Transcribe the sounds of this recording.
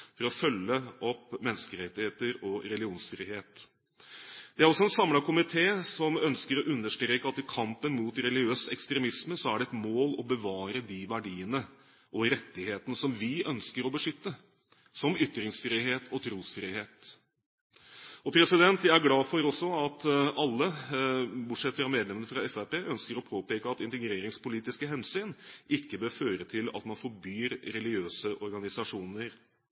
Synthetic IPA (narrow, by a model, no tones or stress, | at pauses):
fɔɾɔfœlːəʔɔpːmɛnːəskəɾɛt̪ːɪheːt̪əɾɔɾɛlɪuːnsfɾiːheːt̪ | d̪̥ɛæɾɔsːɔɛnsɑmlɑkʊmɪt̪ʰeːsɔmœnskəɾɔʔʉnːəʂʈ̪ɾeːkəɑt̪ːɪkʰɑmpənmuːt̪ɾɛlɪøːsɛkst̪ɾɛmɪsməsɔæɖɛɛt̪moːlɔbəʋɑːɾəd̪ɪʋæɖiːənə | ʔɔɾɛt̪ːɪheːt̪ənəsɔmʋɪʔœnskəɾɔbəʂʏt̪ːə | sɔmʏt̪ːɾɪŋsfɾiːɦeːt̪ʰɔt̪ʰɾuːsfɾiːheːt̪ | ɔpʰɾɛsɪd̪ɛnt̪ʋææɾɡlɑːfɔɾɔsːɔɑt̪ɑlːə | bʊʈʂɛt̪fɾɑmeːd̪lɛmənəfɾɑɛfæpeːʔœnskəɾɔpʰoːpeːkəɑt̪ɪnt̪əɡɾeːɾɪŋspʊliːt̪ɪskəɦɛnsyːnʔɪkːəbøːɾføːɾət̪ʰɪlɑ̰t̪mɑnfɔɾbyːɾɾɛlɪɡøːsəʔɔɾɡɑnɪsɑʂuːnəɾ